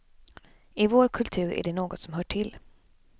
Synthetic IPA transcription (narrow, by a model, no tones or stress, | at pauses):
ɪvoːɾkʰɵlt̪ʰʉ̟ːɾæ̰ɖɛnoːɡɔt̪sɔmɦœːʈʰɪl